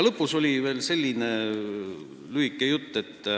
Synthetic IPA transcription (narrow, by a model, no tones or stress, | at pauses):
lɤpːˑuso̞lʲive̞ːlse̞lʲːine | lyikːˑejut̪ːe̞t̪ː